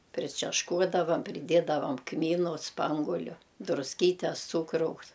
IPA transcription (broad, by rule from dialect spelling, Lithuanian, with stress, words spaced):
pʲrʲɪt͡ʃʲɛʃˈkuɔdɐʋɐm pʲrʲɪˈdʲiɛdɐʋɐm ˈkmʲiːnʊ ˈspɐŋɡʊlʲʊ drʊsʲˈkʲiːtʲɛs ˈt͡suːkrɐʊs